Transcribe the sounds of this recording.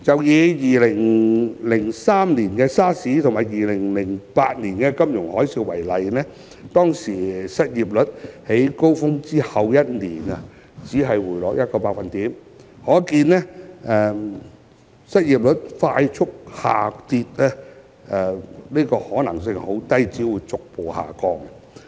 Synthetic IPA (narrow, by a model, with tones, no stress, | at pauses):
t͡sɐ˨wjiː˨˧jiː˨lɪ˨˩ŋlɪ˨˩ŋsaː˥mniː˨˩nkɛː˧saː˥siː˨˥t̪ʰmaː˨˩jjiː˨˩lɪ˨˩ŋlɪ˨˩ŋpaː˧t̚niː˨˩nkɛː˧kɐ˥mjʊ˨˩ŋhɔː˨˥jsiː˧wɐ˨˩jlɐ˨jnɛː˥ | t̪ɔː˥ŋsiː˨˩sɐ˥t̚jiː˨p̚lɵ˨˥t̚he˨˥jko˥wfʊ˥ŋt͡siː˥hɐ˨wjɐ˥t̚niː˨˩nɐ˧˨ | t͡siː˨˥ɦɐ˨jwuː˨˩jlɔː˨˧˥jɐ˥t̚kɔː˧paː˧k̚fɐ˨nt̪iː˨˥m | hɔː˨˥kiː˧nːɛː˥ʔɛː˨ | sɐ˥t̚jiː˨p̚lɵ˨˥t̚faː˧jt͡ʃʰʊ˥k̚haː˨˩t̪iː˧t̚ɛ˥ | ɛ˨˧niː˥kɔː˧hɔː˨˥nɐ˨˩ŋsɪ˧ŋho˨˥wt̪ɐ˥jt͡siː˨˥wuː˨˧jt͡sʊ˨k̚po˨˩wha̰ː˨˩kɔː˧ŋ